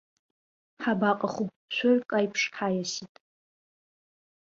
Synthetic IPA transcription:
ħabaqʼaχup | t͡ɕʷʰorkʼajpʰʂħajasitʼ

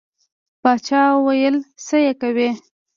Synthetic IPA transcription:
bɑt͡ʃɑwajəlsəjekawe

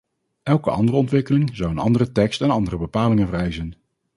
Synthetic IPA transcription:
ʔɛlˠkəɑ̰ndərəɔntʋɪkəlɪŋzɑwənɑ̰ndərətɛkstɛnɑndərəbəpaːlɪŋənvrɛjzɛjn

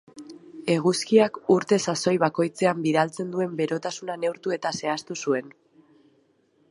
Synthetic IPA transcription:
e̞ɣ̞uskiakuɾt̪e̞saso̞jβako̞jt͡se̞ambiðalt͡se̞nd̪ue̞mbe̞ɾo̞t̪asunane̞wɾt̪ue̞t̪ase̞ast̪usue̞n

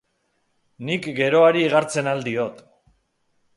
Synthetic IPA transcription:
nikɡe̞ɾo̞aɾiːɣ̞aɾt͡se̞nald̪io̞t̪

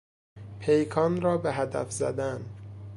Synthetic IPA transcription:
pʰejkʰɒːnɾɒːbeɦæd̪æ̰fzæ̰d̪æn

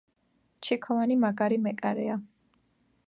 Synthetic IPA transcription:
t͡ʃʰikʰɔvanimaɡaɾimɛkʼaɾɛa

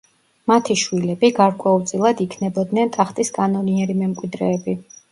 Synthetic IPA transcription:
mat̪ʰiʃwilɛbiɡaɾkʼwɛulˠt̪sʼilˠad̪ikʰnɛbɔd̪nɛnt̪ʼaχt̪ʼiskʼanɔniɛɾimɛmkʼwid̪ɾɛːbi

